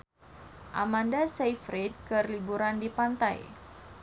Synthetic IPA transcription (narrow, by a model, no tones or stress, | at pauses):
ʔa̰mandasejfɾid̪̚kərlibuɾandipant̪a̰j